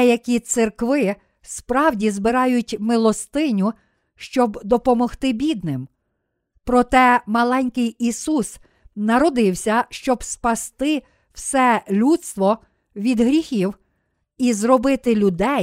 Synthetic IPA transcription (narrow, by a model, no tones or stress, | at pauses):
ɛjɐkʲit̪sɪrkʋɪ | spɾɑwdʲizbɪɾɑjʊtʲmɪlˠɔst̪ɪnʲʊ | ʃt͡ʃɔbd̪ɔpɔmɔxt̪ɪbʲid̪nɪm | pɾɔt̪ɛmɐlˠɛnʲkɪjisus | nɐɾɔd̪ɪwsʲɐʃt͡ʃɔbspɐst̪ɪ | w̥sɛlʲut̪st̪ʋɔ | ʋʲid̪ɦɾʲixʲiw | izrɔbɪt̪ɪlʲʊd̪ɛ